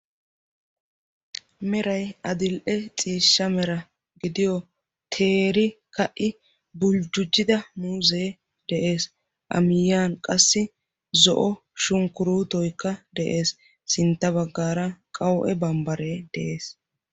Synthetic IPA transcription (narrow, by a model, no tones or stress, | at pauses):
mɛɾɐjɐd̪ɪlʔɛt͡sʼiːʃːɐmɛɾɐ | ɡɪd̪ɪjɔ | t̪ʰe̞ːɾɪ | kɐʔɪ | bʊld͡ʒʊd͡ʒːɪd̪ɐmuːzeː | d̪̥ɛʔe̞ːs | ʔɐ̰mɪjːaːnkʼɐsːɪ | zɔ̰ʔɔ | ʃʊŋkʊɾuːt̪ɔjkːɐd̪ɛʔe̞ːs | sɪnt̪ːɐβɐɡːaːɾɐkʼɐwʔɛbɐmbɐɾe̞ːd̪̥ɛʔe̞ːs